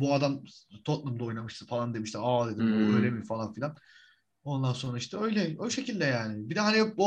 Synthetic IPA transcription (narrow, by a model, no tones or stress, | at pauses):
buad̪amt̪ʰo̞t̪̚lˠumd̪ao̞jnamɯʃt̪ʰɯfalˠand̪e̞miʃt̪ʰiad̪e̞d̪imuøjlʲemimfalˠanfilʲan | o̞nd̪anso̞nɾaiʃt̪ʰɛø̞jlʲɛoʃe̞cilʲd̪ɛjaːnɪbid̪ɛɦanibo